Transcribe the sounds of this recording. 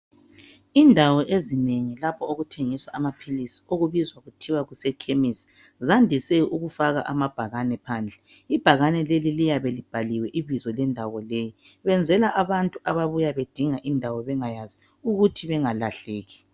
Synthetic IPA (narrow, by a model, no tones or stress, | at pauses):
indʱawɔʔezineŋilapʰɔoɣutʰeŋiswaʔamapʰilisi̥oɣuβizwaɣutʰiwaɣusɛkʰemisi̥ | zandʱisɛuɣufaɣa̰ʔamab̥ʱaɣanɛpʰaːnd͡ɮʱɛ | ib̥ʱaɣanɛlelilijaβelib̥ʱaliwɛʔiβizɔlɛndʱaɣɔleji | βɛnd͡zʱɛlaʔaβantʼuʔaβaβujaβed̥ʱiŋaʔindʱawɔβɛŋajazi | uɣutʰiβɛŋalaɬeːɣi